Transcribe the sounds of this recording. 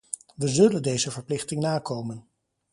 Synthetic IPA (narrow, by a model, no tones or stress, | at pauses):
ʋəzɵləndejzəvəɹplɪχtɪŋnaːkowmən